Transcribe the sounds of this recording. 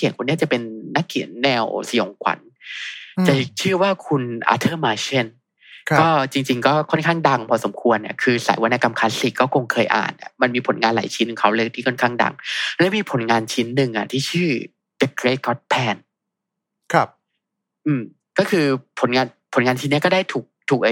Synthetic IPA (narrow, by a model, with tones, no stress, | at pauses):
ki˨˩˦nkʰu˧nːi˥˩t͡ɕa˨˩pe˧nːa˦˥kʰːḭ˨˩˦ənːɛː˧wsi˨˩o˨˩˦ŋkʰwa̰˨˦n | t͡ɕa˨˩˨t͡ɕʰɯː˥˩waː˥˩kʰu˧nʔa̰ː˧˥t̪ʰɤː˥˩maː˧t͡ɕe˥˩n | kɔː˥˩t͡ɕi˧ŋt͡ɕi˧ŋkɔː˥˩kʰɔ˥˩nkʰaː˥˩ŋda˧ŋpʰɔː˧so˩˦mkʰu˧ənːa˧˩kʰɯː˧sa̰ː˨˦jwa˧na˧˥˩ka˧mkʰaː˦˥si˨˩k̚kːɔː˥˩ko˧ŋkʰɤː˧jʔa̰ː˨˩nʔa̰˨˩ma˧nmiː˧pʰo˨˩˦nŋaː˧nla̰ː˨˩˦jt͡ɕʰi˦˥n˨˩kʰa˦˥wlɯ˥˩kt̪ʰiː˥˩kʰɔ˥˩nkʰaː˥˩ŋda̰˧ŋlɛ˦˥miː˧pʰo˨˩˦nŋaː˧nt͡ɕʰi˦˥nːɯ˨˩ŋʔa̰˨˩t̪ʰiː˥˩t͡ɕʰɯː˥˩ | de˦˥kɾeː˦˥˩kɔ˦˥t̪̚pʰɛː˧˩nʰ˧ | ʔɯː˧m | kɔː˥˩kʰɯː˧pʰo˨˩˦nŋaː˧npʰo˩˦nŋaː˧nt͡ɕʰi˦nːi˦˥ɐkɔː˥˩da˥˩jt̪ʰuː˨˩k̚t̪ʰuː˨˩k̚ʔa˧˩